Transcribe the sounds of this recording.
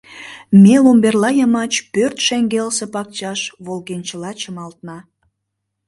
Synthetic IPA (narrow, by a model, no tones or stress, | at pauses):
melomberlɑjɑmɑt͡ɕpørt̪ʃeŋɡelse̽pɑk̚t͡ɕɑʃβolɣent͡ɕəlɑt͡ɕəmɑlt̪nɑ